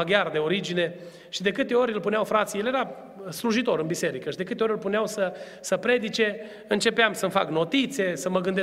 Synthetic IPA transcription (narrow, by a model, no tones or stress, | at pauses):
aɡʲard̪e̞o̞ɾid͡ʒine̞ | ʃid̪e̞kɨt̪e̞o̞ɾʲɨlpuneawfɾat̪sije̞lje̞ɾa | sluʒit̪o̞ɾɨnbise̞ɾikəʃid̪ekɨt̪eoɨlpuneawsə | səpɾe̞d̪it͡ʃe̞ | ɨnt͡ʃe̞peamsəɨmfa̰kno̞t̪it̪se̞səməɡɨnd̪e